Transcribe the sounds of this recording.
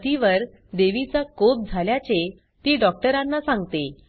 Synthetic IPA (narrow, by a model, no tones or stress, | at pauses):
t̪iʋəɾ | d̪eʋit͡sakop̚d͡zʱaljat͡se | t̪iːɖɔk̚ʈəɾãnːasãŋɡt̪e